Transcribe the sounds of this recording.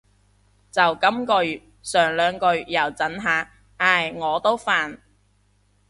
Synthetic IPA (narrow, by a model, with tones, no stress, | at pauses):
t͡sɐ˨wkɐ˥mkɵ˨˧ɥ | sœː˨˩ŋlœː˨˧ŋkɵ˧ɥjɐ˨˩wt͡sɐ˨˥nɦaː˨˧˥ | aː˧˩jŋɔː˨˧t̪o˥wfaː˨n